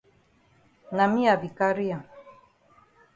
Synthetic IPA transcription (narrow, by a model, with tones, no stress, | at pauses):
na˨mi˦a˨bi˨ka˦ɾi˦a˨